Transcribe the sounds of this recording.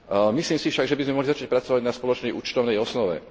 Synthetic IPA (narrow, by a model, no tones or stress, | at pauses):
misliːmsifʃaɡʒɛbizmɛmɔɦlizat͡ʃac̚pɾat͡sɔʋaɟnaspɔlɔt͡ʃnɛjʔṵːt͡ʃt̪ɔʊnɛjɔsnɔʋɛ̰